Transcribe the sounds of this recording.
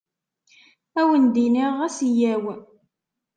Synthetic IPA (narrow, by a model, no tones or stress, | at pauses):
æwənd̪iniʁæsijæw